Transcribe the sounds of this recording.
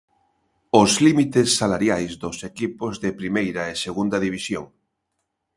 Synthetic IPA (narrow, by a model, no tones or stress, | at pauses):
ʊzlimit̪esːalaɾjajzðosekipozðepɾimejɾaeseɣund̪ɐðiβ̞isjoŋ